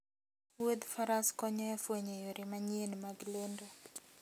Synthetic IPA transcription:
wed̪faɾaskɔɲɔjafwoɲejoɾimaɲenmaɡlondo

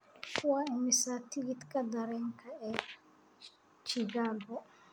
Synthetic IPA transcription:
kʰʊwaɪmɪsat̪ʰɪɡit̪kʰɐd̪ɐɾɛːŋkʰɐɛ | t͡ʃiɡaːbɔ

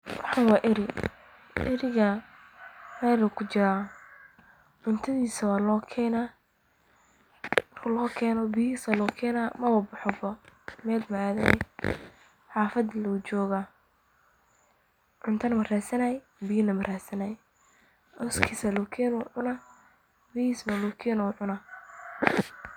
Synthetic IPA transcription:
wɑħɑnwɑːʔɪɾɪ | ʔɛɾɪɣɐ | mɛːlʊkʰʊt͡ʃɪɾa | ʕʊnt̪ʰɐðiːsɐwaːlɔːkʰɛːnaː | mɐrkʰʊlɔːkʰɛːnɔbijiːsalɔːkʰɛːnamɐwɐbʊħɔbɔmɛːlmɐʕaːðɐ | ħɑːfɐd̪lɐʊt͡ʃɔːɣa | ʕʊnt̪ʰɐnɐmɐraːsɐnajɛ | bijnɐmɐraːsɐnajɛ | ʔɔskʰiːsɐlɔːkʰɛːnʊʕʊnɐ | bihiːsmɐlɔːkʰɛːnɛʊʕʊnɐ

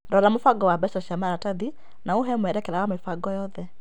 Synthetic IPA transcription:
dɔlamofaɡɔwabɛsɔʃamaɾataði | naoɦɛmwɛɾɛkɛɾawamefaɡɔjɔðɛ

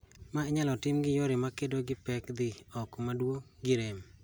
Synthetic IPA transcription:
maeɲalɔtɪmɡɪjoɾɪmakedoɡɪpɛkd̪ɪɔkmadwoɡɪɾem

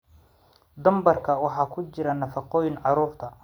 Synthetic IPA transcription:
d̪ɐmbɐrkʰɐwɑħɑːkʰʊt͡ʃɪɾɐnɐfɑqɔːjɪnʕɑɾuːrt̪ʰɐ

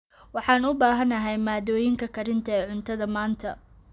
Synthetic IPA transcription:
wɑħɑːnʊbaːɦɐnɐɦɛjmaːd̪ɔːjɪŋkʰɐkʰɐɾɪnt̪ʰɐɛːʕʊnt̪ʰɐðɐmaːnt̪ʰɐ

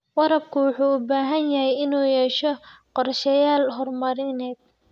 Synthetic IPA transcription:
wɑɾɐb̚kʰʊwʊħuːʊbaːɦɐnjɐɦɛjɪnuːjɛːʃɔqɔrʃɐjaːlɦɔrmɐɾɪnɛːd̪̚

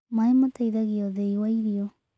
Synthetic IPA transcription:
maemataiðaɣiɔðeiwaiɾiɔ

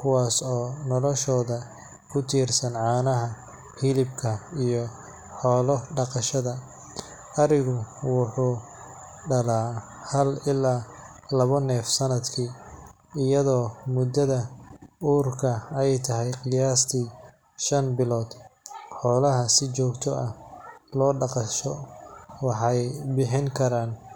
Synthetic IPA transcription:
kʰʊwaːsɔːnɔlɔʃɔːðɐ | kʰʊt̪ʰiːrsɐnʕɑːnɐɦɐ | hilɪbkʰɐijɔ | ħɔːlɔɖɑqɑʃɐðɐ | ɐɾɪɣʊwʊħuː | ɖɐlaː | hɐlɪlːaː | lɐβɐnɛːfsɐnɐd̪kʰiː | ɪjɐðɔːmʊd̪ɐðɐuːrkʰɐɛjt̪ʰɐɦɛjqɪljaːst̪ʰiː | ʃɐnbɪlɔːd̪ħɔːlɐɦɐsɪt͡ʃɔːɡt̪ʰɔʔɐhlɔːɖɑqɑʃɔwɑħɑjbɪħɪŋkʰɐɾaːn

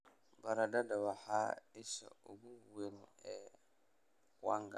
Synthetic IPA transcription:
baɾadadawahaisa̰uɡuwenɛ | kwaŋɡa̰

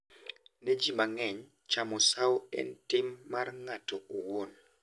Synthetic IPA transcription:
ned͡ʒimaŋɛɲ | t͡ʃamɔsawɛ̰ntɪmːarŋatɔowon

